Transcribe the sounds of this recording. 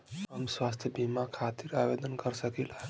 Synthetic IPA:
ɦəmswast̪ʰjəbimakʰat̪iɾabed̪ənkəɾsəkilɛ

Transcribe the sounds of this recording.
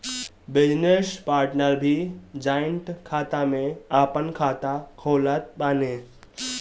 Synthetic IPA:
bɪd͡ʒnespaːɾʈnəɾbʱid͡ʒaːəɳʈkʰaːt̪amẽaːpənkʰaːt̪akʰoːlət̪̚ɓaːne

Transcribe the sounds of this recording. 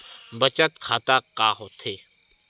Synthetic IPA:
bət͡ʃət̪kʰaːt̪akaːɦot̪ʰeː

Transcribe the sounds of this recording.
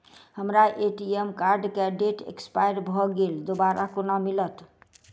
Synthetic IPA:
həmɾaʔeʈiemkaɾɖkeɖeʈḛkspajɾbʱɔɡeld̪obaɾʔakonamilət̪

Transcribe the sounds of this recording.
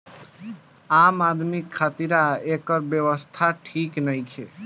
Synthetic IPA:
amad̪mikʰːat̪iɾaekəɾbjəwəst̪ʰaʈʰiknəjt͡ʃʰe

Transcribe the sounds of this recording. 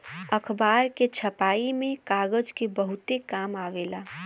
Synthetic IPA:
əkʰbaːɾket͡ʃʰəpaːimẽkaːɡəd͡ʒkebəɦʊt̪ekaːmaːʋeːlaː

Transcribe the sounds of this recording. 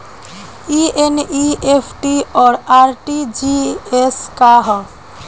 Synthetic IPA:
ieniepʰʈiɔːɾaɾʈid͡ʒieskaɦɔ

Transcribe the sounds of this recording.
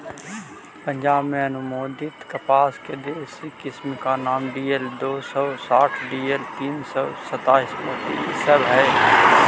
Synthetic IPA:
pə̃ɲd͡ʒaːbmẽɐnʊmoːd̪ɪt̪kɐpaːsked̪eːsikɪsmkanaːmɖiːeld̪oːsɔːsaːʈʰɖiːelt̪iːnsɔsɐt̪aːɪsmoːt̪isəbɦɛː

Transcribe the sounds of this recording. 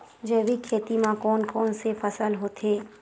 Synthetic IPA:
d͡ʒɛːʋikʰeːt̪imãkɔːnkɔːnsefəsəlɦoːt̪ʰeː

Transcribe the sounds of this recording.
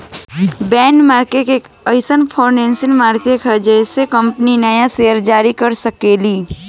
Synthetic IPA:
bɛːnmaːɾkeʈek | əɪsənpʰɔːʊnɛ̃ːnsɪ̃ŋmaːɾt̪jəkɛd͡ʒɛɪsekə̃mpninɐjasejəɾd͡ʒaːɾikɐɾsəkeːliː

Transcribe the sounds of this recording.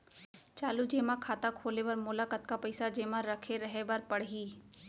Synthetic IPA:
t͡ʃaːlud͡ʒeːmãkʰaːt̪akʰoːlebɐɾmʊlakət̪kapəɪsad͡ʒeːmãɾɐkʰeɾəɦebɐɾpɐɽɦiː

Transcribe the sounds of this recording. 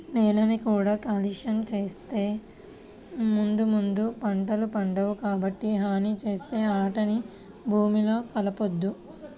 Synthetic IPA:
neːlɐnikuːɽaːkaːliʃɐnt͡ʃeːst̪eː | mund̪umund̪upɐɳʈɐlupɐɳɖɐʋukaːbɐʈːiɦaːnit͡ʃe̞ːst̪e̞ːaːʈɐni | bʱuːmilo̞ːkɐlɐpod̪ːu

